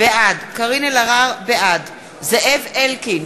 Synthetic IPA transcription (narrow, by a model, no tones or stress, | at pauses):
beʔadkaʁinelaʁaʁbeʔad | zeʔevelkin